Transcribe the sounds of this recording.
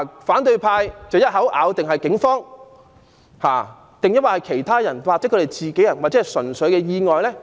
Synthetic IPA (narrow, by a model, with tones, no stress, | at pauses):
faː˨˥nt̪̬ɵ˧ɥpʰaː˧jt͡sɐ˨wjɐ˥t̚hɐ˨˥wʔa̰ː˨˧wt̪ɪ˨ŋɦɐ˨jkɪ˨˥ŋfɔː˥ŋ | haː˨˩ | t̪ɪ˨ŋjɐ˥t̚waː˨˧hɐ˨˩jkʰe˨˩jt̪ʰaː˥jɐ˨˩nwaː˨k̚t͡sɛː˨˥kʰːt̪e˨˩jt͡siː˨ke˨˥jɐ˨˩nwaː˨t͡sɛ˨˦˥jsɵ˨˩nsɵ˨˧ɥkɛː˧jiː˧ŋɔː˨jlɛː˥